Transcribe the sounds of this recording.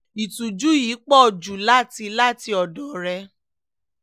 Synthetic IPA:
i˨tũ˨d͡ʒu˦jiː˨˦k͡pɔ˦˨d͡ʒu˨la˦˨ti˧la˦˨ti˧ɔ˨dɔ˨ɾɛ˧˦

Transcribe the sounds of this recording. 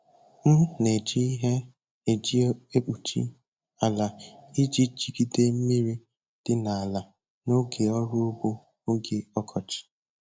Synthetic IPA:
m̩˦ne˨d͡ʒi˦i˦ɦe˦ | e˨d͡ʒi˦e˦k͡pu˨t͡ʃḭ˦ | a˨la˨i˦d͡ʒi˦t͡ʃi˨ɡi˦de˦m̩˦mi˦ɾi˦ | d̥ɪ˦na˨a˨la˨ | no˦ɡe˨ɔ˦ɾʊ˦o˦bo˦ | o˦ɡe˨ɔ˦kʰɔ˨t͡ʃɪ̥˨

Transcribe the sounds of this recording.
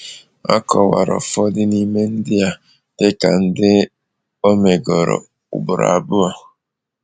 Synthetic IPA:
a̰˦kɔ˨wa˨ɾɔ̰˨fɔ˦dɪ˦ni˦me˦n̩˦dɪ˦a˨ | d̥ɪ˦ka˨n̩˦dɪ˦ | o˦me˨ɡɔ˨ɾɔ̰˨ | ʊ̰˨bʊ˨ɾa̰˨bʊ˦a˨

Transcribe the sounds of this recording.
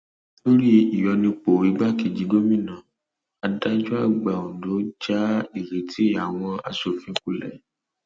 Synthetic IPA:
lo˦ɾi˦i˨jɔ˧nĩ˧k͡po˨i˨˦ɡ͡ba˦˨ke˨d͡ʒi˨˦ɡo˦mĩ˦˨nã˨ | a˨˧n̩˦ta˧˦d͡ʒu˦a˦˨ɡ͡ba˨õ˨do˨˦d͡ʒa˦i˦˨ɾe˨tʰi˨˦ja˨w̃ɔ̃˧a̰˧so˨fĩ˧˦ku˦˨lɛ̰˨

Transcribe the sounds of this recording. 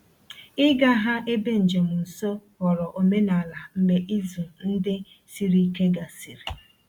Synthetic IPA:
ɪ˦ɡa˦ɦa˦ʔe˦be˦n̩˨d͡ʒe˨m̩˨n̩˨so˦ɣɔ˨ɾɔ˨ʔo˨me˦na˨la˨m̩˨me˨ʔi˦zu˨n̩˦dɪ˦ | si˨ɾi˦ke˦ɡa˨si˨ɾi˨

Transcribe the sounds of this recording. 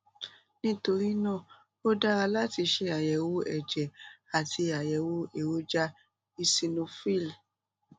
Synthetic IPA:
nĩ˦to˧ɾi˦nã˦˨ | o˦da˦ɾa˧la˦ti˧ʃe˧a˨jɛ˨˦wo˦ɛ̰˦˨d͡ʒɛ˨a˨ti˧a˨jɛ˨˦wo˦e˨wo˦d͡ʒa˦ | i˧si˧nõ˧fi˦˨l

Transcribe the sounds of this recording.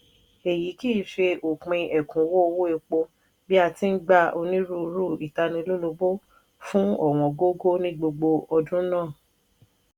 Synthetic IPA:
e˨ji˨˦ki˦˨˦ʃe˧ʔo˨k͡pĩ˧ʔɛ˨kũ˨˦wo˦o˧wo˦e˧k͡po˧ | bi˦a˧ti˨˦ɡ͡ba˦o˧nĩ˦ɾu˦˧˦ɾu˦˨i˨ta˧nĩ˧lu˦lo˧bo˦ | fũ˦ɔ˦˨w̃ɔ̃˨˧ɡo˦ɡo˦nĩ˦ɡ͡bo˧ɡ͡bo˧ɔ˧dũ˦nãː˦˨

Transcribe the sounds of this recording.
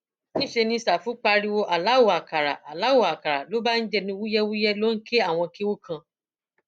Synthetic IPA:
nĩ˦ʃe˧nĩ˧sa˨fũ˨˦k͡pa˧ɾi˧wo˧ʔa˨la˨˦wo˨a˨ka˨ɾa̰˨ʔa˨la˨˦wo˨a˨ka˨ɾa˨lo˨˦ba˦n̩˦d͡ʒɛ˦˧nĩ˧wu˦jɛ˦wu˦jɛ˦lo˦n̩˦ke˦a˦˨w̃ɔ̃˧ke˦wo˦kʰã˧

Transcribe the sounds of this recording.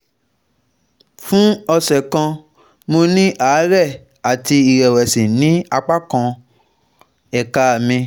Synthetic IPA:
fũ˦ɔ˧sɛ˨kã˧ | mo˧nĩ˦ʔaː˨˦ɾɛ˦˨ | a˨ti˧i˨ɾɛ˨wɛ˨sĩ˨nĩ˨˦a˧k͡pa˦kã˧ | ɛ˨ka˧˨mĩ˧

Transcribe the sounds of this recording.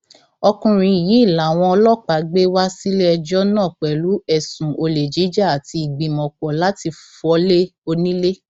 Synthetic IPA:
ɔ˧kũ˧ɾ̃ĩ˧˨ji˨˦i˦˨la˨˦˨w̃ɔ̃˧ɔ˧lɔ˦k͡pa˨˦ɡ͡be˦wa˦si˦le˦ɛ˧d͡ʒɔ˦nãː˦˨k͡pɛ˨lu˨˦ɛ˦˨sũ˨o˧le˨d͡ʒi˨˦d͡ʒa˦a˨ti˧i˨ɡ͡bĩ˨mɔ̃˨k͡pɔ˨la˨˦ti˧fɔ˨˦le˦o˧nĩ˦le˦

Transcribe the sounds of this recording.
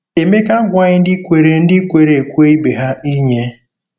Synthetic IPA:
e˨me˦ka˦ɡʷa˦ɲɪ˦n̩˦dɪ˦kʷe˨ɾe˨n̩˦dɪ˦kʷe˨ɾe˨e˨kʷu˦e˦i˦be˨ɦa˦i˦ɲe˦

